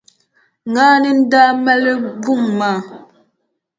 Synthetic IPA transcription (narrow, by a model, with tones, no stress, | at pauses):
ŋɡaː˦nə˦n̩˦da˦mɛ˦lə˦bu˦˨ŋma˦˨